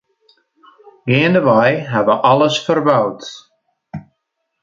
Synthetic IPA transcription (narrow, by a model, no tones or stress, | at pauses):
ɡɪəndəvajɦɛvəʔɑləsfərbawt